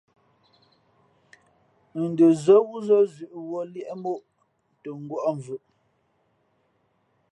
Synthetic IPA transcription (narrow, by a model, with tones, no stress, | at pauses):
n̩˨də˨zə˦wu˦zɔ˦zʉ˨ʔwɔ˦ljɛ˦ʔmo˦˨ʔ | tə˨ŋ̩˦ɡwɔ˦ʔɔ˦ɱ˨vʉ˨ʔ